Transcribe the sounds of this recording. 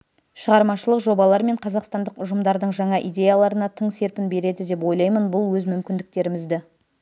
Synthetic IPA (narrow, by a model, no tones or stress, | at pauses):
ʃəʁɑɾmɑʃəlˠəqʒo̞bɑlˠɑɾme̞ɴqʰɑzɑqst̪ɑnd̪əqʊʒəmd̪ɑɾd̪əɴʒɑɴɑʔijd̪ʲe̞jalˠɑɾənɑt̪ʰəɴse̞ɾpɪnbe̞ɾe̞d̪ɪd̪e̞p̬wo̞jlˠɑjmənbʊlˠwɵzmʏmkʲɪnd̪ɪk̚t̪e̞ɾɪmɪzd̪ɪ